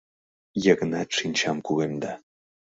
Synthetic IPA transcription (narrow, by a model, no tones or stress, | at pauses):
jəɣə̆nɑt̪ʂinʲt͡ɕɑmkulemd̪ɑ